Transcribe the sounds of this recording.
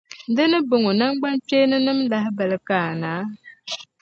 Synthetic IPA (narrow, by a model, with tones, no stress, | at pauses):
dɨ˦nɨ˦bʊ˨ŋʊ˨na˦ŋɡ͡ba˦nt͡ʃeː˦nɨ˦nɨ˦mla˦ɦɪ˦bɛ˨lɨ˨kaː˦˨naː˨˦